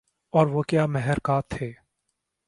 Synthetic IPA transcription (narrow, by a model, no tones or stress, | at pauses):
ɔːɾʋokjaːmɛɦɛɾkaːt̪ʰːeː